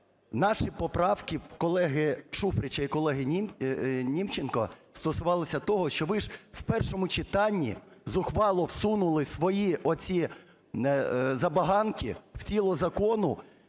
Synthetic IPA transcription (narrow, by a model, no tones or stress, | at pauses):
nɑʃipɔpɾɑwkɪkɔlˠɛɦɪʃufɾʲɪt͡ʃɐikɔlˠɛɦɪnʲinʲiwt͡ʃenkɔ̰st̪ɔsʊʋɑlˠɪsʲɐt̪ɔɦɔʃt͡ʃɔʋɪʒwpɛrʃɔmʊt͡ʃɪt̪ɑnʲːḭzʊxʋɑlˠɔwsunʊlˠɪsʋɔjiʔɔt͡sʲi | zɐbɐɦɑnkʲḭw̥t͡sʲilˠɔzɐkɔnʊ